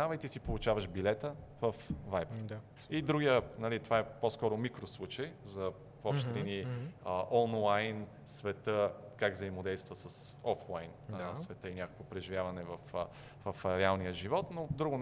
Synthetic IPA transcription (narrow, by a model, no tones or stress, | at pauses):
avəjt̪isipolˠut͡ʃavəʃbilɛt̪əvəfvajbə | id̪ɾuɡijənɐlit̪ovaɛposkɔɾomikɾoslˠut͡ʃəjzɐ | vɔpʃt̪ɾɛniəʔɔnlˠajn | svɛt̪əkaɡvzəimod̪ɛjst̪vəsəsɔflˠajnsvɛt̪əinʲakə̥kvopɾɛʒivʲjavɐnɛvəf | vɐfɾɛalˠnijəʒivɔt̪nod̪ɾuɡʊ